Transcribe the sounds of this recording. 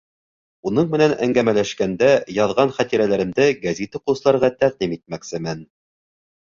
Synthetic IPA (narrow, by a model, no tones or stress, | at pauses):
unɤɴmɘ̆nænæ̰ŋɡæmælæʃkænd̪æjɑðʁɑnχæt̪iɾælæɾɘ̆md̪ɘɡæzʲit̪ɘqŏsɤlˠɑɾʁɑt̪æʁd̪imit̪̚mæksɘmɘn